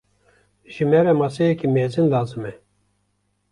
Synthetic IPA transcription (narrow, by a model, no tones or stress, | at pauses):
ʒimɛɾɛmɑsɛjɛkimeːzɨnlaːzɨmɛ